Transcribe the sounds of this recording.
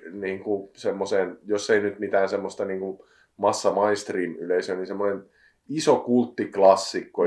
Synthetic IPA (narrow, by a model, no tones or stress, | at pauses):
niːŋkusemːoseːnjosːeinyt̪mit̪æːnsemːost̪ɑniːŋku | mɑsːɑmɑinst̪rimyleisøninsemːŏnen | isokult̪ːiklɑsːikːo